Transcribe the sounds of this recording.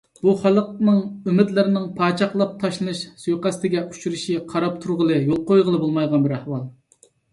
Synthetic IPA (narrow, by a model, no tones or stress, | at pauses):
b̥uχælˠəq̚nɨŋymɪd̪lɪɾɪnɪŋpʰɑːt͡ʃʰɑχlˠɑp̚t̪ʰɑʃlˠɨnɨʃsøjqæst̪ɪɡʲɛʔu̥t͡ʃʰyɾɪʃiqʰɑɾɑp̚t̪ʰuɾʁəlˠɨjolˠqojʁəlˠɨbolˠmɑjʁɑnbɪɾæhwɑlˠ